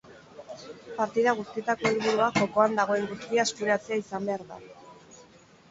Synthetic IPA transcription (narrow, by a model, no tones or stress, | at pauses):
paɾt̪iðaɣ̞ust̪iet̪ako̞eliβuɾuaʝo̞ko̞and̪aɣ̞o̞e̞ŋɡust̪iaespuɾeat͡se̞aisambe̞aɾða̰